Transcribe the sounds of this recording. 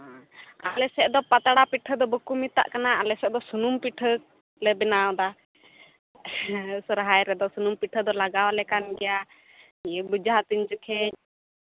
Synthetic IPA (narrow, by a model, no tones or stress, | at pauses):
ãalɛsɛʔd̪ɔpat̪aɽapiʈʰəd̪ɔbəkumit̪a̰ʔkanaalɛsɛʔd̪ɔsunumpiʈʰə | lɛbɛnawd̪a | sɔɾɦajɾɛd̪ɔsunumpiʈʰəd̪ɔlaɡawlɛkanɡɛja | bud͡ʒaɦat̪iɲd͡ʒəkʰɛɲ